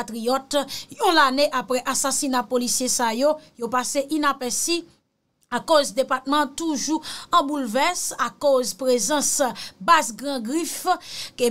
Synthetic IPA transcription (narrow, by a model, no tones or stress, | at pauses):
at̪ʁijɔt̪jũlaneʔapɣɛʔasasinapolisjesajojopaseʔinapɛsi | akozd̪epat̪̚mɑ̃t̪uʒuɑ̃bulvɛsakozpʁezɑ̃sbazɡʁãɡʁifke